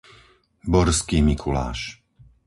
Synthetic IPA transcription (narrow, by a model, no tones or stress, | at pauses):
bɔɾskiːmikʰula̰ːʃ